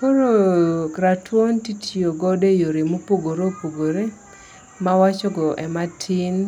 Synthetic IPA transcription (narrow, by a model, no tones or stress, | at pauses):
koɾoɾatwontitʰjoɡɔdejoɾemopoɡoɾopoɡoɾe | mawat͡ʃɔɡɔʔɛmatʰin